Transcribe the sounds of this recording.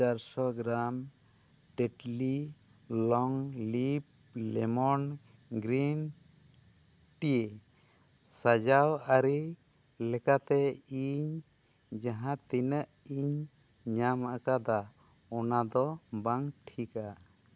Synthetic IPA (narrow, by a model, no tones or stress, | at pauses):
aɾsɔɡɾam | ʈeʈli | lɔŋlip̚lɛmɔnɡɾin | ʈije | sad͡ʒawaɾi | lɛkat̪ɛiɲ | d͡ʒaɦãt̪inəʔiɲɲamakad̪a | ɔnad̪ɔbaŋʈʰika